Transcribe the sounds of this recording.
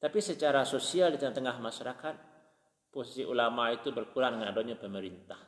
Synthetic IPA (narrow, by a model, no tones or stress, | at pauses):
t̪apisət͡ʃaɾasosialdit̪əŋat̪əŋahmaʃaɾakat̪̚ | posisiʔṵlamait̪ubərkuɾaŋdəŋanadoɲapəməɾint̪ah